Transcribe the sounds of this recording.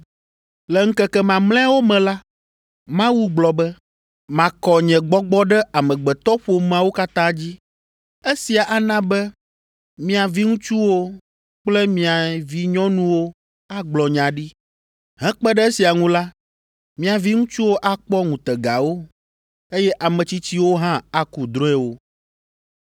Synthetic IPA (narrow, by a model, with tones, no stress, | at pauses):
lɛ˨ŋ̩˦kɛ˦kɛ˦mã˨mlɛ̃˦a˦wo˦mɛ̃˨la˦ | mã˦wu˦ɡ͡blɔ˨bɛ˦ | mã˨kɔ˨ɲɛ̃˨ɡ͡bɔ˦ɡ͡bɔ˦ɖɛ˦a˨mɛ̃˨ɡ͡bɛ˨t̪ɔ˦ɸo˨m˦ã˨wo˦ka˦t̪ã˦d͡ʑi˦ | e˦si˨a˨ʔa˨nã˦bɛ˦ | mĩ˦a˨vi˦ŋũ˦t͡ʃu˦wo˦ | k͡plɛ˦mĩ˨a˨vi˦ɲɔ̃˦nũ˦wo˦ | a˦ɡ͡blɔ˨ɲã˨ɖi˦ | ɦɛ̃˦k͡pɛ˦ɖɛ˦e˦si˨a˨ŋũ˦la˦ | mĩ˦a˨vi˦ŋũ˦t͡ʃu˦wo˦ʔa˦k͡pɔ˦ŋũ˨t̪ɛ˨ɡa˨wo˦ | e˦jɛ˦ʔa˨mɛ̃˨t͡ɕi˦t͡ɕi˦wo˦ɦã˦a˨ku˨d̪ɾõ˦ɛ˦wo˦